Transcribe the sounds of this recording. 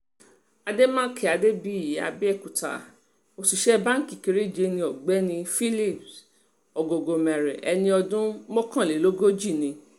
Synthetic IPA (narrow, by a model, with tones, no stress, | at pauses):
a˧de˦mã˦kʰɛ˨a˨de˦bi˦i˦˨ja̰˧bɛ˦ɛ˦˨ku˨ta̰˨ | o˧˨si˨ʃɛ˦ba˦ŋ̩˦ki˨ki˧ɾi˦˨d͡ʒe˧˦nĩ˧ɔ˨ɡ͡bɛ˦nĩ˧fi˦li˦˨p | ɔ˨ɡo˨ɡo˨mɛ̃˨ɾɛ̰˨ʔɛ˧nĩ˧ɔ˧dũ˦mɔ̃˦kã˦˨le˨˦lo˦ɡo˦d͡ʒi˦˨nĩ˧